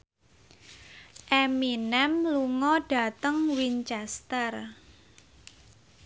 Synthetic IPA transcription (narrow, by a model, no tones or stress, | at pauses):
ʔɛminɛmluŋɔɖ̥a̤t̪əŋwint͡ʃɛst̪ər